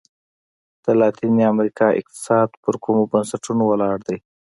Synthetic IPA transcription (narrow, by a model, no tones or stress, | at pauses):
d̪̥əlɑt̪iniamɾikɑʔɪ̰q̚t̪ɪ̥sɑd̪pəɾkumobənsaʈunowalɑɽd̪aj